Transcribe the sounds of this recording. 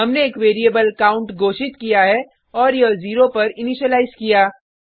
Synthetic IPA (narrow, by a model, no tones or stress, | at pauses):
ɦɐmneeːkʋeːɾijəbəlkaːʊ̃ɳʈɡoːʃɪt̪kijaɦɛ | ɔːɾjɐziːɾopɐɾɪniʃəlaːɪzkijaː